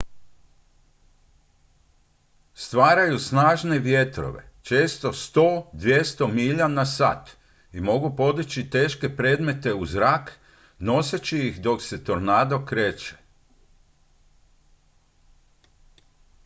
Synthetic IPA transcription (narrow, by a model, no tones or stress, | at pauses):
st̪ʋaːɾajusnaːʒne̞ʋje̞t̪ɾo̞̰ʋe̞̰t͡ʃe̞ːst̪o̞st̪o̞ːd̪ʋje̞st̪o̞miʎanasa̰ːt̪ | imo̞ɡupo̞d̪it͡ɕit̪eːʃke̞pɾe̞ːd̪me̞t̪e̞uzɾak | no̞set͡ɕijixd̪o̞kse̞t̪oɾnaːd̪o̞kɾeːt͡ʃe̥